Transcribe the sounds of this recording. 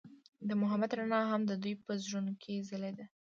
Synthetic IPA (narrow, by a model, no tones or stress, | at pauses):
d̪əmʊɦamad̪ɾanɑɦamd̪əd̪ujpəzɾunkʰezəled̪e